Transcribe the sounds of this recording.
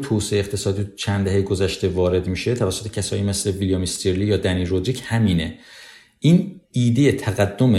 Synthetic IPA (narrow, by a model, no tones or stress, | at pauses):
t̪ʰosieext̪ʰe̞sɒːd̪iːt͡ʃʰænd̪æhejɡozæʃt̪e̞vɒːɾe̞d̪miːʃe̞t̪ʰævæsːot̪e̞̥cʰæsɒ̰ːʔime̞sleviljɒmest̪ʰeɾlijɒːd̪æniːɾod̪ɾiːchæmiːne̞ | ʔiːniːd̪e̞jet̪ʰæɣæd̪ːome